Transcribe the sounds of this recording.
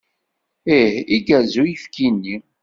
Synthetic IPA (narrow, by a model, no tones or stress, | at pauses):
ɪhiɡæzujəfkinːi